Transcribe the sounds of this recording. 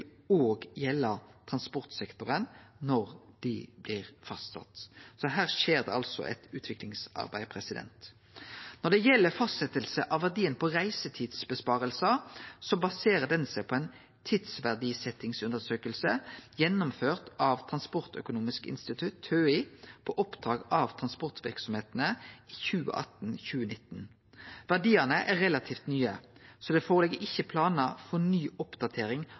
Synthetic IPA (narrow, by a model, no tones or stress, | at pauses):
ɪloːɡjɛlːət̪ʰʁɑnspɔʁt̪sɛkt̪ʊʁənnɔʁd̪̥ɪblɪːʁfɑst̪sɑ̰t̪sɔɦæːʁʃeːʁd̪ɛ̰ɑlsɔ̰ʔɛ̰t̪ʉːt̪ʰʋɪklɪŋsɑ̰ʁbæɪpʰʁɛsɪd̪ɛ̰nt̪ | nɔd̪ɛjɛlːəfɑst̪sɛt̪əlsəʔɑʋæʁd̪iːənpʰɔʁæɪsət̪ʰiːd̪sbəspɑːʁəlsɑsɔbɑseːʁəd̪ɛnsæɪpʰɔɛɪn | t̪ʰid̪sʋæʁɖ̪iːsɛt̪ɪŋsʉnd̪əʁsøːkəlsəjɛnːʊmføːʁt̪ɑʋt̪ʰʁɑnspɔʁt̪œ̰kʊnuːmɪskɪ̰nst̪ɪt̪ʰʉt̪ʰːøːɪpʰɔʔɔpd̪̥ʁɑːɡɑʋt̪ʰʁɑnspɔʁt̪ʋɪʁksɔmheːt̪nəi̥ːçʉːə̰ʔɑ̰t̪n̩çʉːənɪt̪ːn | ʋæʁɖ̪iːənəʔæʁɛlɑt̪ʰiːft̪nyːəsɔd̪ɛfoːʁlɛɡəʔɪçːəpʰlɑːnəfɔnyːɔpd̪̥ɑt̪ʰeːɾɪŋ